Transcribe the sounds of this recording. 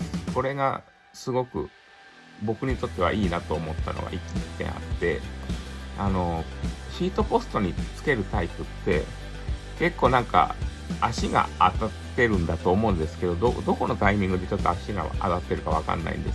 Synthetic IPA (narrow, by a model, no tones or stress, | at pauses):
ko̞ɾe̞ɡa̰ | sɨɡo̞kɯ̟̰ | bo̞kɯ̟ɲ̟it̪o̞t̪ːe̞βa̰ʔiːnat̪o̞ːmo̞t̪ːa̰no̰ɡa̰ʔikit̪ːẽ̞̰ɰ̃a̰t̪ːe̞ | ano̞ɕiːt̪o̞po̞sɨ̥t̪o̞ɲ̟it͡sɨ̥ke̞ɾɯ̟t̪aipɯ̟t̪ːe̞̰ | ke̞kːo̞ːnãŋka̰ | aɕiɡa̰at̪att̪ːe̞ɾɯ̟̃nd̪at̪o̞ːmo̞ɯ̟̃nd̪e̞sɨ̥ke̞d̪o̞d̪od̪o̞ko̞no̞t̪aimʲĩŋɡɯ̟d̪e̞t͡ɕo̞t̪ːo̞aɕiɡa̰a̰t̪at̪ːe̞ɾɯ̟kaβ̞aka̰nːa̰ḭ̃nd̪e̞s